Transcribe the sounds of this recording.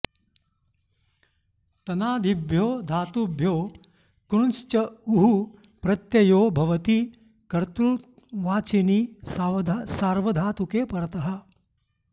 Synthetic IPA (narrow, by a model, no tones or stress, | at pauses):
t̪ɐnaːd̪ʱibʱjoːd̪ʱaːt̪ubʱjoː | kɾunst͡ʃɐuɦu | pɾɐt̪jɐjoːbʱɐʋɐt̪i | kɐɾt̪ɾu | ʋaːt͡ʃini | saːɾʋɐd̪ʱaːt̪ukeːpɐɾɐt̪ɐɦɐ̆